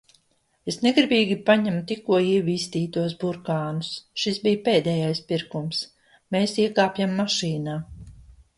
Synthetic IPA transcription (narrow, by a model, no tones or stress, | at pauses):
esneɡɾibiːɡʲipaɲamut̪ikuɔiɛviːst̪iːt̪uɔs̬buɾkaːnusʃisbijpeːd̪ɛːjajspiɾkums | meːsiɛkaːpjamːaʃiːnaː